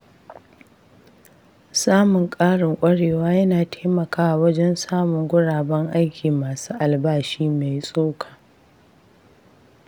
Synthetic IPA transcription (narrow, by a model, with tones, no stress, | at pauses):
saː˦mʊ˨ŋkʼaː˦ɽɪ˨ŋʔʷʼɐ˦ɽeː˨waː˦jɐ˦naː˨tʰe̥ː˦mɐ˨kaː˦wa˨wɐ˦d͡ʒɛ˦nsaː˦mʊ˨ŋɡʷʊ˦ɽaː˨bɐ˦ŋʔa˦jkʲiː˨maː˨suː˦ʔa˨lbaː˦ʃiː˦me˨jsʼoː˦kʰḁː˨